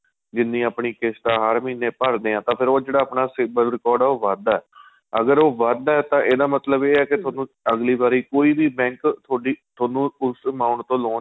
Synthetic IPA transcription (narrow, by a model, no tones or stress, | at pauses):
d͡ʒɪnːĩːaːpɳiːkɪsʈ̪aːɦəɾmiːnːeːpəɾd̪eːãːt̪ãːpʰɪɾoːd͡ʒeːɽaːaːpɳaːsɪbəlɾɪkɔːɾɖoːʋəd̪aɛː | əɡəɾoːʋəd̪ɛːt̪ãːʔeːd̪aːmət̪ləbeːɛːkɪt̪ʰoːnũː | əɡliːbaːɾiːkoːiːbiːbɛ̃ːŋkt̪ʰoːɖiːt̪ʰoːnũːʊsmaːʊɳʈt̪õːloː